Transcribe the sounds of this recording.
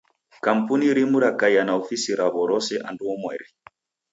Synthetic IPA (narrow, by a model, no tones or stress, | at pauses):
kam̩puniɾimuɾakajanaɔfisiɾaβɔɾɔsɛʔanduɔmwɛɾi